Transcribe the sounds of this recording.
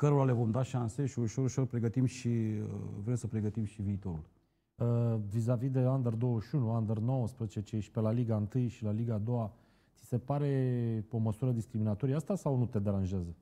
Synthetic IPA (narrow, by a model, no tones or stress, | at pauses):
kəɾoɾale̞vo̞md̪aʃanse̞ʃiuʃo̞ɾuʃo̞rpɾe̞ɡət̪imʃiə̰vɾemsəpɾe̞ɡət̪imʃiviːt̪o̞ɾul | əvizavid̪e̞and̪ərd̪owəʃunuand̪ərno̞wəspɾəzezt͡ʃeʃi̥pe̞laliɡaɨnt̪ɨjʃilaliɡaːd̪o̞wa | t̪si̥se̞paɾe̞o̞məsuɾəd̪iskɾiminat̪o̞ɾiast̪asawnut̪e̞d̪eɾanʒeazə